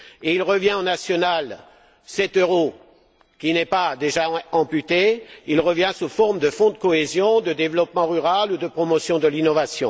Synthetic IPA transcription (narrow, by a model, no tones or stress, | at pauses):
eilʁəvjɛ̃ɑ̃nasjɔnal | sɛt̪øʁo | kʲinɛpad̪eʒaɑ̃pyt̪eilʁəvjɛ̃sufɔʁmd̪əfɔ̃d̪əkɔezjɔ̃d̪əd̪evlɔpmɑ̃ʁyʁalud̪əpχɔmɔsjɔ̃d̪əlinɔvasjɔ̃